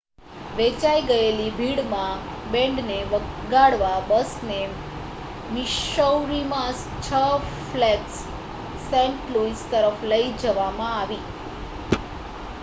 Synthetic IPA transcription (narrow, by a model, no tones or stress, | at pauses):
ʋet͡ɕaiɡəjelibʱiɽmãbẽɳɖneəɡaɽʋabəsne | miʃəwɾimãs | t͡ɕʰəflɛʈsː | ɛ̃ɳʈluist̪əɾəfləid͡ʑəʋamãaʋiː